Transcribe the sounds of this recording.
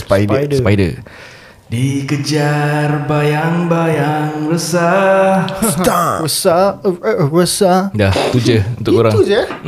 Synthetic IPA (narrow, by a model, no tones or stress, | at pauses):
spajdədpajdə̰ | dikəd͡ʒarbajaŋbajaŋɾəsa | ɾəsa | ɾəsadaht̪ud͡ʒəunt̪ʊkkoɾaŋud͡ʒə